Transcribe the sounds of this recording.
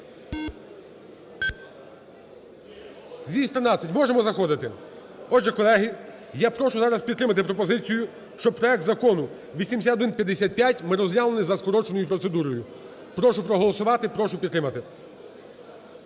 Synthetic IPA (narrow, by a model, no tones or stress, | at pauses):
d̪ʲʋʲisʲt̪ɾɐnɑsʲɐtʲmɔʒemɔzɐxɔd̪ɪt̪ɪ | ɔʒɛkɔlˠɛɦi | japɾɔʃʊzɑɾɐspʲid̪t̪ɾɪmɐt̪ɪpɾɔpɔzɪt͡sʲijʊ | ʃt͡ʃɔpɾɔɛk̚t̪zɐkɔnʊ | ʋʲisʲimʲs̬ʲat̪d̪ɪnpʲjɐd̪esʲat̪̚pʲjatʲmɪɾɔzjʲalˠenɪzɐskɔɾɔt͡ʃenɔjʊpɾɔt̪se̞d̪uɾɔjʊ | pɾɔʃʊpɾɔɦɔlˠɔsʊʋɑt̪ɪpɾɔʃʊpʲid̪t̪ɾɪmɐt̪ɪ